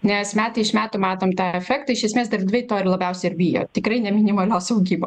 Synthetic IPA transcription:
nʲɛsmʲæːt̪ʲɐɪɪʃmʲæːt̪ʊmɑːt̪oːmt̪ɑːɛfʲɛkt̪ɐɪʃʲjɛsʲmʲeːsd̪ɐrdʲʋʲɪt̪oːɾɪlˠɐbʲɛʊsʲɛɪɪɾbʲiːjo̰ːt̪ʲɪkɾɐɪnʲɛmʲɪnʲɪmɐlʲoːsɐʊɡʲiːboː

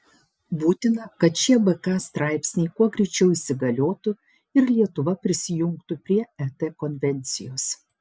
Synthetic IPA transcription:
buːt̪ʲɪnɐkɐt̪ʃʲiɛbɛkɑːst̪ɾɑˑɪpʲsʲnʲɛɪkuɔɡɾʲɛɪt͡ʃʲɛʊisʲɪɡɐlʲoːt̪ʊ | ɪɾlʲiɛt̪ʊʋɐpʲɾʲɪsʲɪjʊŋkt̪ʊpʲɾʲiɛɛt̪ɛkɔnʲʋʲɛnʲt̪sʲɪjoːs

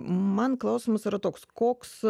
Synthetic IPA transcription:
mɐnklˠɑʊsʲiːmɐsiɾɐt̪oːkskoːks

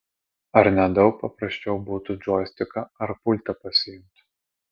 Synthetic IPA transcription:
ɐɾnʲɛd̪ɒʊk̚pɐpɾɐsʲt͡ʃʲɛʊbuːt̪ʊd͡ʒɔːsʲt̪ʲɪkɐɐɾpʊlʲt̪ɐpɐsʲɪjʊmʲt̪ʲ

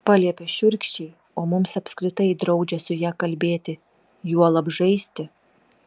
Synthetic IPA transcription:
pɑːlʲiɛpʲɛʃʲʊɾʲkʃʲt͡ʃʲɛɪ | oːmʊmsɐpʲskɾʲɪt̪ɐɪd̪ɾɐʊd͡ʒʲɛsʊjæːkɐlʲbʲeːt̪ʲɪ | juɔlˠɐbʒɐɪsʲt̪ʲɪ

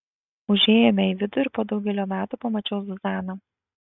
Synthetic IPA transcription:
ʊʒʲeːjɛmʲɛiʋʲɪd̪ʊɪɾʲpoːd̪ɒʊɡʲɛlʲoːmʲæːt̪upɐmɐt͡ʃʲɛʊsʊzɑːnɐ

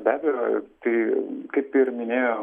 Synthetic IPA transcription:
bʲæːbʲɛjo̰ːt̪ɐɪkɐɪpɪrmʲɪnʲeːjo

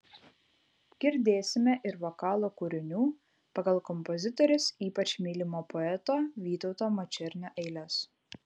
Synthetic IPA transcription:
ɡʲɪɾʲd̪ʲeːsʲɪmʲɛʔɪɾʋokɑːlˠokuːɾʲɪnʲuː | pɐɡɐlˠkɔmpɔzʲɪt̪ɔɾʲʊsiːpɐt͡ʃʲmʲiːlʲɪmoːpɔɛt̪oːʋʲiːt̪ɔʊt̪oːmɔt͡ʃʲɛɾʲnʲoːʔɛɪlʲɛs

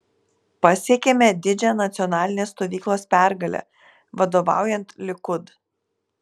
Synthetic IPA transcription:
pɐsʲeɛkʲemʲɛd̪ʲɪd͡ʒʲɛnɐt̪sʲɪɔnɑːlʲɪnʲeːst̪oːʋʲiːklˠoːspʲæˑɾɡɐlʲɛ̰ | ʋɐd̪oːʋɑ̰ˑʊjɛnt̪lʲɪkʊd̪

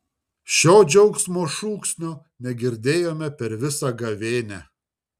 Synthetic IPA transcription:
ʃʲoːd͡ʒʲɐʊksmoːʃuːksʲnʲoː | nʲɛɡʲɪɾʲd̪ʲeːjoːmʲɛpʲɛɾʋʲɪsɐɡɐʋʲeːnʲæ

